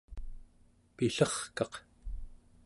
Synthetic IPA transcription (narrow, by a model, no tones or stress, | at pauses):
piɬʌχkɑq